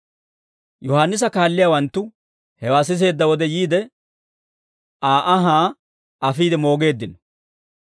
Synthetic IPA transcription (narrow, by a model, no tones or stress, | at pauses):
jɔhaːnːɪs̬ɐkaːlːɪjaːwɐnt̪ːʊ | hɛwaːs̬ɪs̬e̞ːd̪ːɐwɔd̪ɛjiːd̪ɛ | aːʔɐɦaː | ʔɐfiːd̪ɛmo̞ːɡe̞ːd̪ːɪnɔ̥